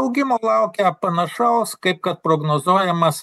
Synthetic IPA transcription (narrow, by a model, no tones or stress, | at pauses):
ʊɡʲɪmoːlˠɐˑʊkʲɛɐpɐnɐʃɐʊskɐɪp̚kɐt̪̚pɾoɡnoːzuɔjɛmɐs